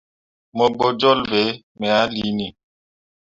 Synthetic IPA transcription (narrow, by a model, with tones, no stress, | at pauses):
mɔ˨bo˨d͡ʒɔ˦lve˨˦ | mɛ˨a˨˦li˨˦ni˨